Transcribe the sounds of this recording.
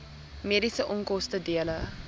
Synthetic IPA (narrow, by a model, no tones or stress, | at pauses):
miəɾisəʔɔŋkɔstədiələ